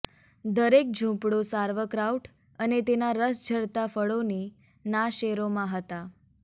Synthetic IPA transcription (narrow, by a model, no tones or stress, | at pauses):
d̪əɾek̚d͡ʒʱũpɽosaɾʋəkɾauʈ | ənet̪enaɾəsd͡ʒʱəɾt̪afəɭoni | naʃeɾomãɦət̪a